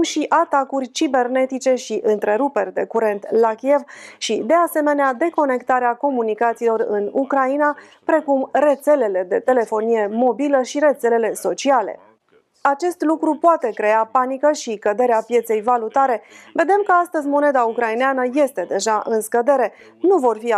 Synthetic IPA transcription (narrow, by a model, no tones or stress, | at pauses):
mʃiʔat̪akurʲt͡ʃibe̞rne̞t̪it͡ʃe̞ʃiʔɨnt̪ɾe̞ɾupe̞rʲd̪e̞̰kuɾe̞nt̪lakʲije̞vʃid̪e̞ase̞me̞nead̪e̞ko̞ne̞kt̪aɾeako̞munikat̪silo̞rɨ̰nukɾainapɾe̞kumre̞t̪se̞le̞le̞d̪e̞t̪e̞le̞fo̞nije̞mo̞biləʃiɾe̞t̪se̞le̞le̞so̞t͡ʃiale̞̰ | at͡ʃe̞st̪lukɾupoat̪e̞kɾe̞apanikəʃikəd̪e̞ɾeapje̞t̪se̞jvalut̪aɾe̞ve̞d̪e̞mkəast̪əzʲmo̞ne̞d̪aukɾaineanəje̞st̪e̞d̪e̞ʒaʔɨnskəd̪e̞ɾe̞ | nuvo̞rfi